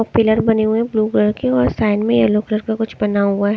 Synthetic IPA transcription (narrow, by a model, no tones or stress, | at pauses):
ɔpɪləɾbɐneɦuẽbluːɡəɽkeɔːɾsaːɪnmẽjɛloːkləɾkakʊt͡ʃʰbɐnaɦʊaɦ